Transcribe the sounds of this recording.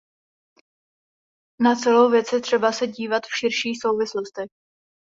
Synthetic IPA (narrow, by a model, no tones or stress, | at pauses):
nat͡sɛlowvjɛt͡sjɛt̪r̝̥ɛbasɛɟiːvat̪fʃɪɾʃiːxso̞wvɪslost̪ɛx